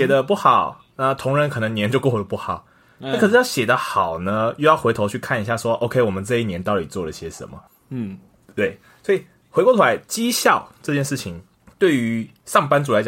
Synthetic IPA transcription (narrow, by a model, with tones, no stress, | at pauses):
jɛ˨˩d̪ə˦pu˥˩xɑ˨˩˦ʊ | na˥˨t̪ʰo˧˥ŋɻə˧˥nkʰɤ˨˩nə˧˦ŋnjɛ˧˥˦nt͡ɕjo˥˧ʊkwɔ˥˧xe˧˩˧pu˥˩xɑ˨˩˦ʊ | na˥kʰʂ̩˥jɑ˥˩ɕjɛ˨˩d̪ə˦xɑ˨˩ʊnə˦jo˥˧ʊjxwe˧˥ɪo˧ʊt͡ɕʰy˥˧kʰa˥˩ni˧˥ɕ̬ja˥˩ʂwɔ˦ʔo˥ʊkʰe˥ɪwɔ˨˩mə˨˦nt͡sɤ˥˧i˥˩njɛ˧˦nt̪ɑ˥˩ʊli˨˩t͡swɔ˥˩lə˩i˥˩ɕɛ˧ʂə̰˧˦nmə̰˨˥˩ | t̪we˥˩ɪ | swɔ˧˥i˨˩ | xwe˧˥kwɔ˥˩t͡ɕʰu˧la˧˦ɪt͡ɕi˦ɕjɑ˥˨ʊʈ͡ʂɤ˥˧t͡ɕjɛ˥˧nʂɻ̩˥˩t͡ɕʰi˧˦ŋ | t̪we˥˩ɪy˧˦˧ | ʂɑ˥˩ŋpa˥nt͡su˨˩la˧˦t͡ɕɑ˨